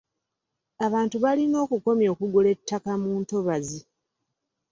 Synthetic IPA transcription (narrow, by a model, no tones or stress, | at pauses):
aβaːntuβalino̞ːkuko̞mjo̞ːkuɡule̞tːakamuːnto̞βazi